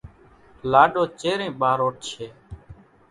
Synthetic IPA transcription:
laːɗoːt͡ʃeːɾẽːɓaːɾoːʈ̚t͡ʃʰeː

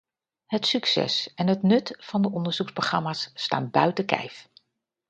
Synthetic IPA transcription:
ɦətsyksɛ̰sɛnɦətnɵtfɑndəʔɔndəɹz̥uksproχrɑmaːsːta̰ːnbœɥtəkɛ̰jf

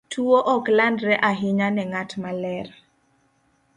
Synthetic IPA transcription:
tʰuoʔɔklandɾɛʔaɦɪɲanɛŋatmalɛr

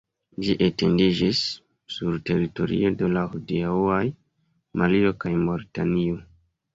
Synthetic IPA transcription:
d͡ʒiʔete̞ndid͡ʒisː | uɾte̞ɾito̞ɾḭodo̞lahudiauaj | mʔalio̞kajmoɾitanio

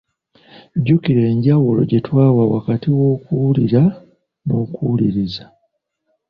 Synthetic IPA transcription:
ɟukiɾe̞ːɲɟawulo̞̰ɟetwaːwawakatiwo̞ːkuliɾa | nokuːliɾiza

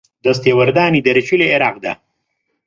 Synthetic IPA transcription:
d̪ɐst̪ewɐɾd̪aːnid̪ɐɾt͡ʃileːɾɑːq̚d̪a̰

